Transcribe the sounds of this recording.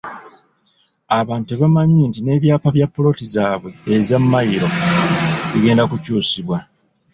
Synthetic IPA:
aβaːntuβamaɲiːntine̞ːβjaːpaβjapːolo̞tizaːβwe̞ːzamːajiɾo̞ | βiɡe̞ːndakucuːsiβwa

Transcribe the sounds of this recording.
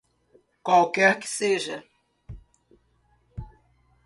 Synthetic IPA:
kwawkɛɾkɪ̥seʒɐ

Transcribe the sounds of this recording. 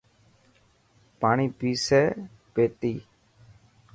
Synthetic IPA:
paːɳ̃iːpiːseː | peːt̪iː

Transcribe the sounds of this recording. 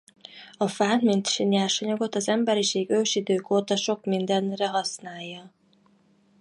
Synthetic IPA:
ɒfaːnmint̪ʃinjaːrʃɒɲɒɡo̞t̪ɒzɛmbɛɾiʃeːɡøːʃid̪øːkoːt̪ɒʃo̞kmind̪ɛnrɛɦɒsnaːjːɒ

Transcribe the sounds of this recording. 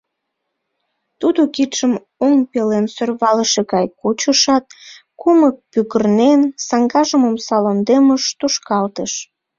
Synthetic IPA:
t̪ud̪okit̪ʃəm | oŋpelensørβɑləʃeɣɑjkot͡ɕəʃɑt̪̚ | kumək̚pyɣərnensɑŋɡɑʒəməmsɑlond̪eməʃt̪uʃkɑlt̪əʃ

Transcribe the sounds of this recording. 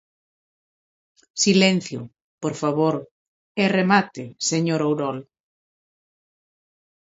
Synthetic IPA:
silen̟θjʊ̰ | poɾfaβoɾ | ɛremat̪ɪseɲoɾowɾɔl

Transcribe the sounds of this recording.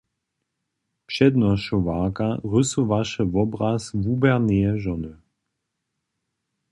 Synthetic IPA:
pʃɛd̪nɔʃɔvaːkaʁɵsuvaʃɛvɔbʁasvubɛʁnɛjɛʒɔnə

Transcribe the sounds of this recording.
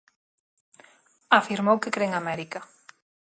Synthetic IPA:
afiɾmowkekɾeŋamɛɾikɐ

